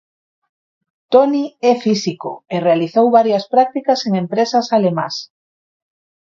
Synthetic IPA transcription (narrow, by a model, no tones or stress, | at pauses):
t̪oniɛfisiko̰erealiθowβaɾjɐspɾak̚t̪ikaseŋẽmpɾesasalemã̰s